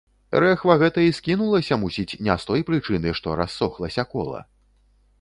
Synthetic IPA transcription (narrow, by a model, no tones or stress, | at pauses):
ɾɛxvɐɣɛt̪ɐiskʲinulˠɐsʲɐmusʲit͡sʲnʲɛst̪ɔjpɾɨt͡ʂɨnɨʂt̪ɔɾasːɔxlˠɐsʲɐkɔ̰lˠɐ̰